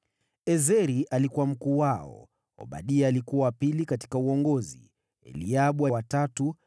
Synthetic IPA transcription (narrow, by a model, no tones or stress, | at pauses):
ɛzɛɾiʔalikuwam̩kuːwaɔ̰ | ɔ̰ɓa̰ɗiɛːlikuwawapilikati̥kauɔŋɡɔzḭ | ɛ̰liaɓwawatatu